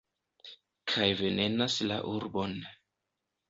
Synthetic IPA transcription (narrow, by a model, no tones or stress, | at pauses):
kʰajve̞ne̞nasla̰ʔuɾbo̞n